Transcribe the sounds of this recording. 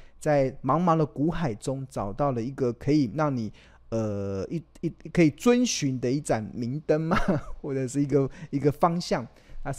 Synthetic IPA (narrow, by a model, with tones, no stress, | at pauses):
t͡sa˥˩ɪmɑ˧˥ŋmɑ˧˥ŋd̪ə˨ku˧˥xa˨˩ɪʈ͡ʂʊ˥ŋʈ͡ʂɑ˨˩ʊt̪ɑ˥˩ʊlə˩i˧˥ɡə˨kʰɤ˧˥i˨˩ɻɑ˥˩ŋni˨˩ | ə˨˩i˥i˥kʰɤ˧˥i˨˩t͡swə˦˥nɕy˧˥nd̪ə˧i˥˩ʈ͡ʂa˨˩nmi˧˥ŋt̪ə˥nma˨xwɔ˥˩ʈ͡ʂə˨˩ʂɻ̩˥˩i˧˥ɡə˨i˧˥ɡə˨fɑ˥ŋɕjɑ˥˩ŋʰ | a˥˧